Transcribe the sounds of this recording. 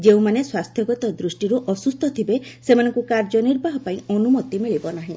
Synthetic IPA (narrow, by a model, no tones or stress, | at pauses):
d͡ʒeũmaneswast̪ʰjɔɡɔt̪ɔd̪ɾusʈiɾuʔɔsust̪ʰɔt̪ʰibesemanɔ̃ŋkukaɾd͡ʒɔniɾbaɦɔpaĩɔnumɔt̪imiɭibɔnaɦĩ